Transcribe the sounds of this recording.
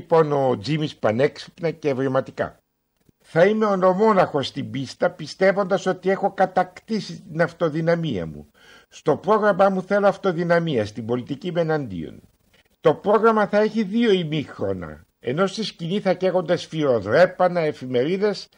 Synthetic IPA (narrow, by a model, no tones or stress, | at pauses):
po̞no̞d͡zimispɐne̞ksi̥pnɐcevɾimɐt̪ikɐ̰ | θɐime̞ono̞mo̞nɐxo̞st̪imbist̪ɐpist̪e̞vo̞nd̪ɐso̞t̪ie̞xo̞kɐt̪ɐkt̪isit̪inɐft̪o̞ðinɐmiɐ̰mṵ | st̪o̞pɾo̞ɣɾɐmɐmuθeloɐft̪o̞ðinɐmiɐst̪imbo̞lit̪icime̞nɐnd̪ḭo̞̰n | t̪o̞pɾo̞ɣɾɐmɐθɐe̞çiðio̞imixɾo̞nɐ̰ | ḛno̞st̪isciniθɐce̞ɣo̞nd̪ɐsfiɾo̞ðɾe̞pɐnɐe̞fime̞ɾiðe̞s